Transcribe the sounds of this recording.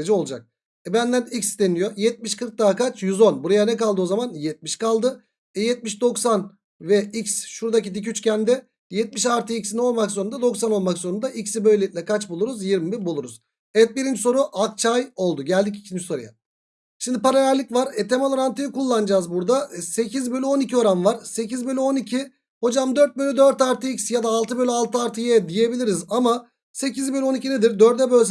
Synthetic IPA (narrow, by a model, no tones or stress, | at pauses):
ed͡ʒɛo̞lˠud͡ʒa̰k̚ | ɛbænd̪ænicsd̪enijo̞jɛt̪̚miʃkʰɯɾk̚d̪aːkat͡ʃʰjyzo̞nbuɾajanɛkalˠd̪ɯo̞zamanjɛt̪̚miʃkalˠd̪ɯ | ɛjɛt̪̚miʃd̪o̞ksan | vɛicsʃuɾd̪acid̪ic̬yt͡ʃcʰænd̪ɛ | jɛt̪̚miʃaɾt̪ʰɯicsinio̞lˠmaksoɾund̪ad̪o̞ksano̞lˠmaksoɾund̪aʔicsibø̞jlʲit̪lʲɛkʰat͡ʃbulˠuɾuzjiɾmibiɾbulˠuɾuz̥ | ɛt̪̚biɾind͡ʒiso̞ɾuʔak̚t͡ʃʰajo̞lˠd̪uɟælʲd̪ic̬icʰind͡ʒi̥so̞ɾuja̰ | ʃimd̪ipaɾajæɾlʲicvaɾɛt̪ʰemalˠoɾant̪ʰɯjɯkulˠːand͡ʒaːzbuɾd̪ase̞cʰizbø̞lʲyo̞nicʰio̞ɾanvaɾ̥se̞cizbølʲyo̞nicʰi | ho̞d͡ʒamd̪ø̞ɾt̪̚bølʲyd̪øɾt̪aɾt̪ʰɯicsjad̪aːlˠt̪ʰɯbø̞lʲyalˠt̪ʰɯaɾt̪ʰɯjɛd̪ije̞bilʲiɾizama | se̞cizbelʲyo̞nicʰine̞d̪iɾd̪øɾd̪ɛbølʲs